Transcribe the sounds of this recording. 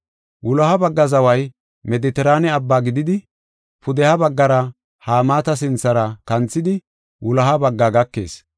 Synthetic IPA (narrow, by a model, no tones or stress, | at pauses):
wʔʊlɐhɐbɐɡːɐzɐwɐj | mɛd̪ɪt̪ɛɾaːnɛɐbːaːɡɪd̪ɪd̪ɪ | pʊd̪ɛhɐbɐɡːɐɾɐ | haːmaːt̪ɐs̬ɪnt͡sːɐɾɐkɐnt͡sːɪd̪ɪ | wʊlɐɦɐbɐɡːaɡɐkːe̞̰ːs